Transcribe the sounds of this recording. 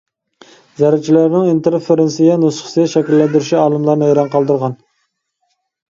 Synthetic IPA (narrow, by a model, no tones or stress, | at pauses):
zæɾæt͡ʃʰilæɾnɪŋint̪eɾfeɾɪnsɪɡʲɛnosχə̥sɨɡ̪ʲɛʃɛkʲilːɛnd̪yɾyʃiɑːlˠɨmlˠɑɾnɨejɾɑnqʰɑlˠd̪ɨɾʁɑn